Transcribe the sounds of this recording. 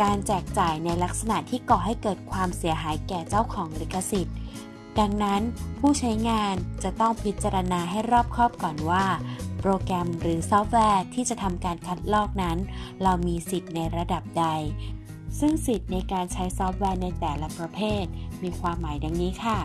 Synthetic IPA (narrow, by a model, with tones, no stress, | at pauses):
kaː˧nt͡ɕɛː˨˩k̚t͡ɕaː˨˩jna˧jla˦˥k̚sa˧na˨˩ʔt̪ʰːiː˥˩kɔː˨˩ɦa˥˩jkɤː˨˩t̪̚kʰwaː˧msi˨˩˦ɐɦaː˩˦jkɛː˨˩t͡ɕa˥˩wkʰɔː˩˦ŋli˦˥kːa˧si˨˩t̪̚ | da˧ŋna˦˥npʰuː˥˩t͡ɕʰa˦˥jŋaː˧nt͡ɕa˨˩t̪ɔ˥˩ŋpʰi˦˥t̪̚ːt͡ɕa˧ɾa˧naː˧ɦa˥˩jɾɔː˥˩p̚kʰɾɔː˥˩p̚kɔː˨˩nwaː˥˩pɾoː˧kɾɛ˧mɾɯː˩˦sɔː˦˥p̚wɛː˧t̪ʰiː˥˩t͡ɕa˨˩t̪ʰa˧mkaː˧nkʰa˦˥t̪̚lɔː˥˩k̚na˦˥nɾa˧wmiː˧si˨˩t̪̚na˧jɾa˧da˨˩p̚da˧j | sɯ˥˩ŋsi˨˩t̪̚na˧jkaː˧nt͡ɕʰa˦˥jsɔː˦˥p̚wɛː˧na˧jt̪ɛː˨˩la˦˥pɾa˧pʰeː˥˩t̪̚miː˧kʰwaː˧mːaː˨˩˦jda˧ŋniː˦˥kʰa˥˩